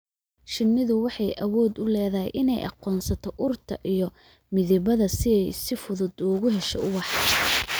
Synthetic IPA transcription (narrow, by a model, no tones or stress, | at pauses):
ʃɪnːɪðʊwɑħɑjʔɐwɔːd̪ʊlɛːðɐɦɛ̰jʔɪnɛjʔɑ̰qɔːnsɐt̪ʰɔʔʊrt̪ʰɐʔijɞ | mɪðɪβɐðɐsɪɛjsɪfʊðʊd̪ʊɣʊɦɛʃɛʊwɑħɑ